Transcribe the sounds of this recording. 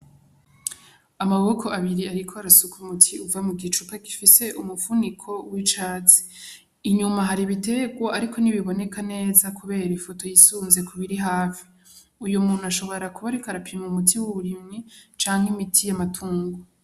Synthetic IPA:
amaβo̞kʰo̞ʔaβiɾiaɾikʰoaɾasukumutʰiuvamuɡit͡ʃupaki̥fise̞ʔumufunikʰo̞wit͡ʃaːt͡si̥ː | ɲumaɦaɾiβite̞ɡwaaɾikʰo̞niβiβo̞ne̞kane̞ːzakʰuβe̞ːɾaifo̞to̞jisuːnze̞kʰuβiɾiɦaːfi̥ | ujumuːn̤̥uaʃo̞βo̞ɾakuβaɾikaɾapimumutʰiwuβuɾimŋit͡ʃaːŋhimitʰijamatʰuːŋɡo

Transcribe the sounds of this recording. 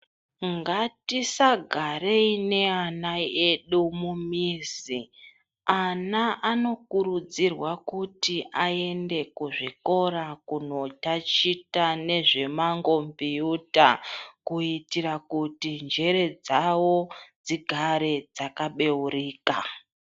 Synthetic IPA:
ŋɡatisaɡʱaɾeine̞anaeɗumumiːzi | anaʔano̞kuɾud͡zirwakutiʔae̞nde̞kuʐiko̞ɾakuno̞tat͡ʃitane̞ʐe̞maŋɡo̞mbijutakuitiɾakutind͡ʒe̞ɾe̞d͡zawo̞d͡ziɡʱaɾe̞d͡zakaɓe̞uɾiːka

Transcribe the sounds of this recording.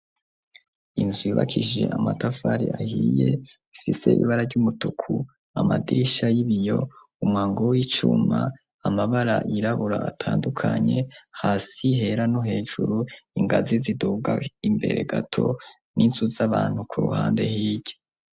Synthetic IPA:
inzwiːβakʰiʒe̞̰ʔamatafaɾḭahiːje̞ | fise̞̰ʔḭβaɾaɾɟumutukʰu | amadiɾiʃajiβijo̞ | umŋaːŋɡowit͡ʃṵma | amaβaɾaʔiɾaβuɾaatʰaːndukʰaɲe̞haːsiɦe̞ɾanoɦe̞ːʒuɾuiŋɡaziziduɡaimbe̞̰ɾe̞̰ɡatʰo̞ | nʔinzuzaβaːn̥hukʰuɾṵhaːnde̞hiːɟo

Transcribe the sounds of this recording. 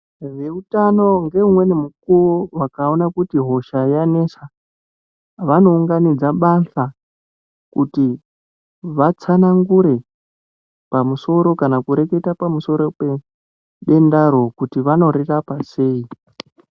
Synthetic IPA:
ʋe̞utano̞ŋɡe̞umwe̞nimukuwowakao̞nakutiɦo̞ʃajane̞sa | ʋano̞uŋɡanid͡zaɓaɬa | kuti | ʋat͡sanaŋɡuɾe̞ | pamuso̞ɾo̞kanakuɾe̞ke̞tapamuso̞ɾo̞pe | ɗe̞ndaɾo̞kutiʋano̞ɾirapase̞ːi

